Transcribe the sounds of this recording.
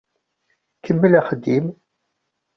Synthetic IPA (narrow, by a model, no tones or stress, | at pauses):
kəmːəlæχəd̪ːim